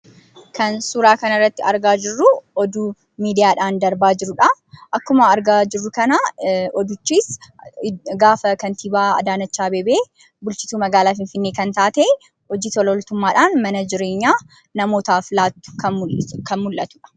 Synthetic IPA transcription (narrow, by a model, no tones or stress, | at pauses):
kɐnsuːɾaːkɐnɐrːɐt̪ːɪɐ̰ɾɡaːd͡ʒɪrːʊɔd̪uː | miːd̪ɪjaːᶑaːnd̪ɐɾbaːd͡ʒɪɾʊᶑɐʔɐkːʊmɐɐɾɡaːd͡ʒɪrːʊkɐnaɔd̪ʊt͡ʃːiːs | ɡaːfɐkɐnt̪ʰiːbaːɐ̰d̪aːnɐt͡ʃːaːbeːbeː | bʊlt͡ʃɪsuːmɐɡaːlaːfɪnfɪnːeːkɐnt̪aːt̪eː | ɔd͡ʒiːt̪ɔlɔlt̪ʊmːaːᶑaːnmɐnɐd͡ʒɪɾe̞ːɲːaː | nɐmoːt̪aːfɪlaːt̪ːʊ̥ | kʰɐnmʊlʔɐt̪ʊ̥ᶑɐ̥